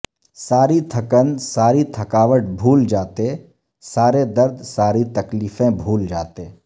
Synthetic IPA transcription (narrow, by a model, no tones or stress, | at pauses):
saːɾit̪ʰɐkənsaːɾit̪ʰɐkaːʋəʈ̚bʱuːld͡ʒaːt̪e | saːɾed̪əɾd̪saːɾit̪ɐkliːfẽbʱuːld͡ʒaːt̪e